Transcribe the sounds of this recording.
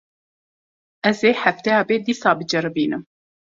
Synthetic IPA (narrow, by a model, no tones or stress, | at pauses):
ɛzeːħæft̪ɛjɑːbeːd̪iːsɑːbɨd͡ʒɛɾɨbiːnɨm